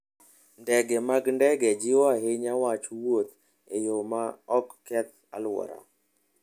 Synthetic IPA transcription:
ndɛɡɛmaɡndɛɡɛd͡ʒɪɔaɦeɲawat͡ʃwot̪ | ejomaɔkːɛt̪ | a̰lwɔ̰ɾa̰

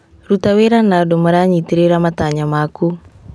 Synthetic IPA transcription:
rut̪aweɾanadɔməɾaɲit̪iɾeɾamat̪aɲamaku

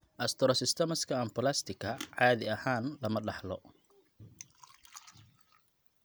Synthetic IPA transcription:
ʔɐst̪ʰɔɾɔsɪst̪ʰɛmɐskʰɐɐmpʊlast̪ʰɪkʰɐʕɑːðɪɐhaːnlɐmɐɖɑħlɔ

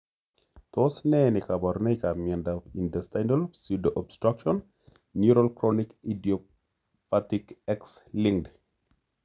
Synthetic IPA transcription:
tɔsnɛnɪkabɔɾnɛjkamjɛndaindɛstajnɔlsudʔɔbstɾakʃɔnː | uɾɔlkɾɔnikidiɔ | patikɛksliŋd

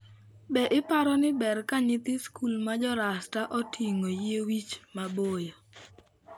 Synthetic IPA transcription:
bɛʔɪpaɾɔnɪbɛɾkaɲɪt̪ɪskulmad͡ʒɔɾastaʔɔtʰiŋojewit͡ʃmabojo

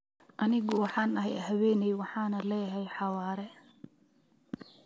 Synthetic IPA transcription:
ʔɐnɪɣʊwɑħɑːnɐɦɛjɦɐwɛːnɛjwɑħɑːnɐlɛːjɦɛjħɑwaːɾɛ

